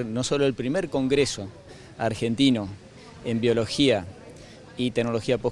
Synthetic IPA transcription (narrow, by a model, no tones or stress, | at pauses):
ɾno̞so̞loelpɾimeɾko̞ŋɡɾeso̞ | aɾxe̞nt̪ino̞ | e̞mbjo̞lo̞xia | it̪eɡnolo̞xiapo